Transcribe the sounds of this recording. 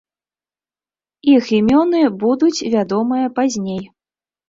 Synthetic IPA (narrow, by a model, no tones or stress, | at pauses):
iximʲɔnɨbud̪ut͡sʲvʲad̪ɔmɨjɐpazʲnʲej